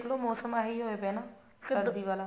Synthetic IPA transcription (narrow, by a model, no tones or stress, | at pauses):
kʰloːmɔːsəmaːɦiːɦoːepɛːnaː | sɪəɾd̪iːʋaːlaː